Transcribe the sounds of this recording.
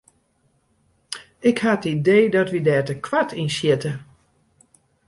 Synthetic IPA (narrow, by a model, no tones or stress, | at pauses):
ɪkhatəideːdɔtʋidɛːtəkʰwatʰinsjɪtə